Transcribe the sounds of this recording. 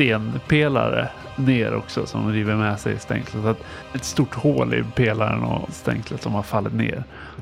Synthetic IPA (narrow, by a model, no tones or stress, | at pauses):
t̪eːnpʰeːla̰ɾə̰ | neːɾɔ̰ksɔsɔmɾiːvəɾmɛsɛjst̪ɛ̰ŋkləsat̪ | ɛt̪st̪uʈːhoːlɪ̰pʰeːlaɾənɔst̪ɛŋklət̪sɔmhaɾfalːɪt̪neːɾ